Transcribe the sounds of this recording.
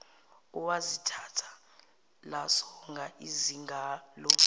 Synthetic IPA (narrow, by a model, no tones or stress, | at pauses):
uwazitʰatʰḁ | lasɔŋɡʱaʔiziŋɡʱaːlɔ